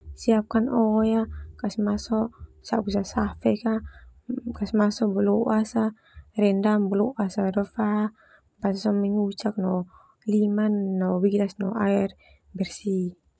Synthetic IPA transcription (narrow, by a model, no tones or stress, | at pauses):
siap̚kanɔjakasmasɔsa̰ʔkusasafɛka | kasmasɔʔbəlɔʔasa | rɛndambəlɔʔasadɔfa | basasɔmɛɲut͡ʃak̚nɔ | limanːɔwiɡnasnɔaɛr | bɛrsi